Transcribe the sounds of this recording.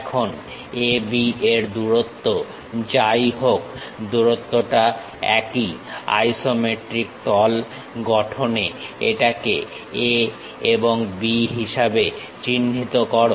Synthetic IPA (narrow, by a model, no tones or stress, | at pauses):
ɛkʰon | ebieɾd̪uɾot̪ːo | d͡ʑajɦokd̪uɾot̪ːoʈa | ɛ̰kia̰jsomeʈɾik̚t̪ɔl | ɡɔʈʰoneeʈake | e | eboŋbiɦiʃabe | t͡ɕinːit̪okɔɾo